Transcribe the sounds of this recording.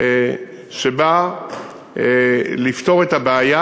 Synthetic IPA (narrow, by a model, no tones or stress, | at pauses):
ʃeba | lift̪o̞ʁetabeaja